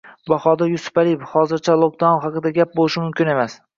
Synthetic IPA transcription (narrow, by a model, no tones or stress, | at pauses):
bɑhɒd̪ɪɾjʊsʊ̥palijbhɒzɪɾt͡ʃʰalˠok̚d̪anχɑqɨd̪aɡʲap̚bolˠɪʃɪmʊmkʲɪne̞mas